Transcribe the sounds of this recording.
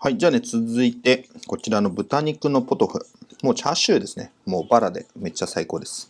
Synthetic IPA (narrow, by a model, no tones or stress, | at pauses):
haid͡ʑaːne̞t͡sɨzɨit̪e̞ko̞t͡ɕiɾano̞bɯ̟t̪aɲ̟ikɯ̟no̞po̞t̪o̞ɸɯ̟̰mo̞ːt͡ɕaɕɨːd̪e̞sɨne̞mo̞ːbaɾad̪e̞me̞t͡ɕːasaiko̞ːd̪e̞sɨ̥